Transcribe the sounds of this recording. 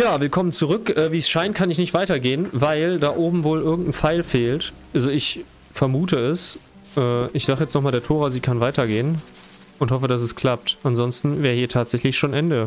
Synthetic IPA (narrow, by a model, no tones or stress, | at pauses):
jaːvɪlkʰɔmənt͡suʁʏkʔɛːviːsʃaɪntkʰanɪçnɪçtv̥aɪtɐɡeːənvaɪldaːʔoːbm̩voːlʔɪɐɡŋ̩tn̩faɪlfeːlt | ʔalzoɪç | fɛɐmuːtəɛs | ʔɛːʔɪçz̥aːχəjɛt͡stnɔχmaːldeːɐtʰoːʁaːziːkʰanvaɪtɐɡeːən | ʊnthɔfədas̬ɛskʰl̥ap̚tʔanzɔnstn̩vɛːʁəhiːɐtʰaːtz̥ɛçlɪçʃoːnʔɛndə